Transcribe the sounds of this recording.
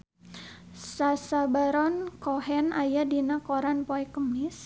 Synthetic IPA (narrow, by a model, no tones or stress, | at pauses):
sasabaɾɔnkɔɦɛnajadinakɔɾanpoɛkəmɪs